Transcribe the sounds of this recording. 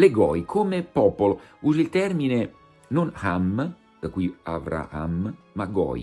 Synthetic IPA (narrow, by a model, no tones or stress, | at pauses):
leɡɔ̰jkʰomepɔpolouːzilt̪ɛrmine | nonham | d̪akwia̰vɾa̰ha̰mːaɡɔ̰ːj